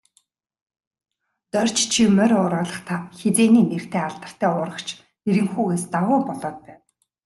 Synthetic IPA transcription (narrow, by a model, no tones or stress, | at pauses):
t̪œr̥ʲt͡ɕt͡ɕʰimœɾʲʊːɾɔːɮə̆χt̪ʰaxet͡seːniːner̥t̪ʰeːaɮt̪ə̆r̥t̪ʰæːʊɾə̆kt͡ɕʰ | eɾɘ̆ŋxuːɣeːst̪awʊːpɔɮɔːt̪̚pæːw